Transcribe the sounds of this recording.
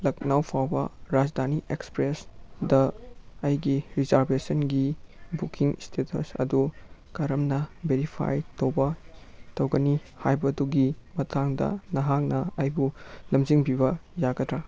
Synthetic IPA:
lɐk̚nawpʰawbɐ̰ɾad͡ʒd̪ʱaniʔekspɾesdɐːjɡiɾizaɾbesɐnɡibukiŋstʰetʰɐ̰sɐ̰dukaɾɐmnɐbeɾipʰa̰jtɐwbɐtɐwɡɐnihajbɐduɡimɐtʰaŋdɐ̰nɐɦak̚nɐajbulɐmd͡ʒiŋbibɐjaɡɐtɾa

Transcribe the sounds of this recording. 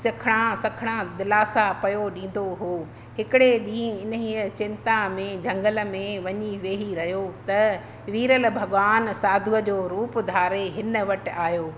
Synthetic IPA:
sɪkʰɽ̃ãsɐkʰɽ̃ãd̪ɪlaːsapɐjoɗĩːn̆d̪oɦo | ɦɪkɪɽeɗĩːɪnəɦiːət͡ɕɪ̃nt̪amẽd͡ʑʱɐ̃ŋɡəl̆mẽʋɐɲiʋeːɦiɾɐɦijot̪ɐ | ʋiːɾəlbʱɐɠʋaːnsaːd̪ʱuəd͡ʑoːɾuːpd̪ʱaːɾeɦɪnə̆ʋɐʈ̆aːɦjoː

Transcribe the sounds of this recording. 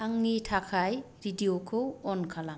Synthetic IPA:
aŋnitʰakʰaj | ɾidiokʰɯwɔnkʰala

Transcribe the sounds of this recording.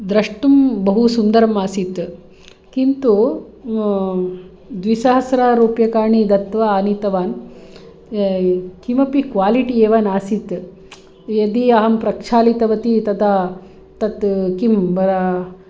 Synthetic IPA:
d̪ɾɐʂʈumbɐɦusund̪ɐɾɐmaːsit̪ | kint̪u | d̪ʋisɐɦɐsɾaːɾuːpjɐkaːɾɳid̪ɐt̪ʋɐaːnit̪ɐʋaːn | kimɐpikʋaːliʈieːʋɐnaːsit̪ | jɐd̪iɐɦɐmpɾɐkʂʰaːlit̪ɐʋɐt̪it̪ɐd̪a | t̪ɐt̪kimbɐɾɐ

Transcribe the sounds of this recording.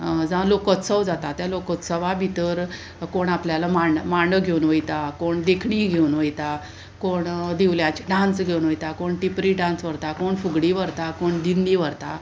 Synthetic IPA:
d͡zalokət̪səʋd͡zat̪at̪jalokət̪səʋabʱit̪əɾ | koɳapljalamamaɳɖəɡʱewnʋəjt̪akoɳd̪ekʰɳiɡʱeunʋəjt̪a | koɳd̪iʋljãt͡ɕi̥ɖãnsɡʱewnʋəjt̪akoɳʈipɾiɖãnsʋəɾt̪akoɳfuɡɽiʋəɾt̪akoɳd̪inːiʋəɾt̪a

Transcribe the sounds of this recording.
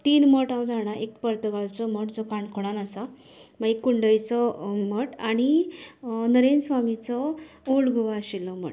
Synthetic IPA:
t̪iːnməʈãwd͡zʱaɽaʔekpəɾt̪əɡaɭt͡sɔməʈd͡zɔkaɳkʰoɽanasa | maikːuɳɖəjt͡sɔməʈaɽ̃i | nəɾensʋamit͡sɔ | olɡʱuʋaːɕilːɔm̤ə̰ʈ

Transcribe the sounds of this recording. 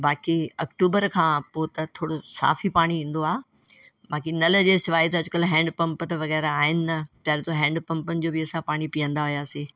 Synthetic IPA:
baːkiɐkʈuːbəɾkʰãːpoːt̪ɐt̪ʰoːɽosa̰ːfipaːɽ̃iĩːn̆d̪oaː | baːkinɐld͡ʑeːsɪʋaːit̪ɐɐd͡ʑʊkɐlɦɛ̃ːɳɖpɐ̃mpət̪ɐʋɐɣɛːɾaaːɦɪnɪ̆nɐp̪jaːɾet̪oɦɛ̃ːɳɖpɐ̃mpənɪ̆d͡ʑoːbɪɐsãpaːɽ̃ipijə̃nd̪aɦʊjaːseː

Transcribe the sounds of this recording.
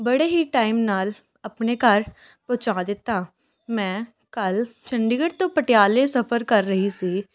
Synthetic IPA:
bəɽeːɦiːʈaːɪmnaːl | əpneːkəɾ | pot͡ʃaːd̪ɪt̪ːaː | mɛ̃ː | kəlt͡ʃəɳɖɪɡəɽt̪õːpəʈjaːlesəpʰəɾkəɾːəɦisiː

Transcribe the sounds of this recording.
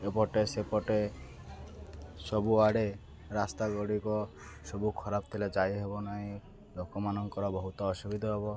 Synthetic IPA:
epɔʈesepɔʈe | sɔbuaɽe | ɾast̪aɡɔɽikɔ | sɔbukʰɔɾab̚t̪ʰiled͡ʒajɦebɔnaɦĩ | lokɔmanɔŋkɔɾɔbɔɦut̪ɔːsubid̪ʱɔɦebɔ

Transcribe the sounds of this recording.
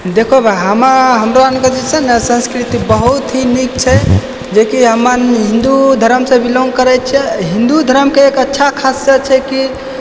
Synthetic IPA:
d̪ekʰobɛɦəmaɦəmɾoanked͡ʒisɛnesə̃nskɾit̪ibəɦut̪ɦinikt͡ʃʰɛ | d͡ʒekiɦəmənɦĩnd̪ud̪ʱəɾəmsẽbʱiloŋɡ̚kəɾɛt̪̚t͡ʃʰɛɦĩnd̪ud̪ʱəɾəmkeːkətːʃʰakʰassət͡ʃʰɛki

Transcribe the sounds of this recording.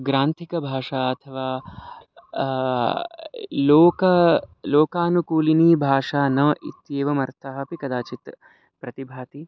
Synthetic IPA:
ɡɾaːnt̪ʰikɐbʱaːʂaːɐt̪ʰɐʋaː | loːkɐloːkaːnukuːliniːbʱaːʂaːnɐʔḭt̪jeːʋɐmɐɾt̪ʰɐɦɐ̆pikɐd̪aːt͡ʃit̪ | pɾɐt̪ibʱaːt̪i

